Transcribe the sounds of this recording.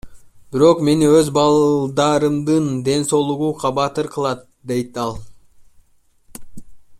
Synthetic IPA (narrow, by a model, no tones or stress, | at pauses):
b̥iɾo̞qme̞niøzbɑlˠd̪ɑɾɯmd̪ɯnd̪e̞nso̞lˠuʁuqʰɑbɑt̪ɯɾqʰɯlˠɑt̪̚d̪e̞jt̪ɑlˠ